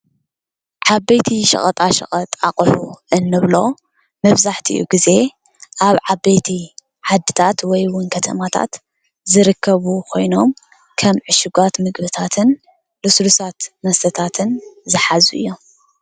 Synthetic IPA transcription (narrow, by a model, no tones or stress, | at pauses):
ʕabejt̪ʰiʃɐ̰χʼɐt̪ʼaʃɐ̰χʼɐt̪ʼaχʼħuʔɨnːɨβlo̞ | mɐβzaħt̪ʰiʔṵɡize̞ | ʔaβʕabejt̪ʰi | ʕad̪ːɨt̪ʰat̪wɔjwʊnkʰɐt̪ʰɐ̰mat̪ʰa̰t̪ | zɨɾɨkʰːɐβukʰo̞jno̞m | kʰɐmʕɨʃɪɡʷat̪mɨɡbɨt̪ʰat̪ʰɨn | lɨslusat̪mɐst̪ʰɐt̪ʰat̪ʰɨnzɨħazuɨ̰jːo̞m